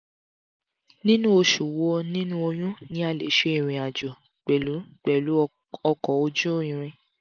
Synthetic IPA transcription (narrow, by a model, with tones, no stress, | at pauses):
nĩ˦nũ˦o˧ʃu˨wo˨˧nĩ˦nũ˦o˧j̃ũ˦nĩ˦a˦˨lḛ˨˦ʃe˧˦i˦˨ɾ̃ĩ˨a˨d͡ʒɔ˨ | k͡pɛ˨lu˨˦k͡pɛ˨lu˨˦ | ɔ˧kɔ˨o˧d͡ʒu˦˨ĩ˨ɾ̃ĩ˧